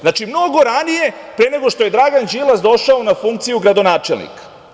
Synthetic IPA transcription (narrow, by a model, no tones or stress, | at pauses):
znat͡ʃimno̞ɡo̞ɾanije̞ | pɾene̞ɡo̞ʃt̪o̞je̞d̪ɾaɡand͡ʒilˠasd̪o̞ʃaonafuŋk̚t̪sijuɡɾad̪o̞naːt͡ʃelnḭkḁ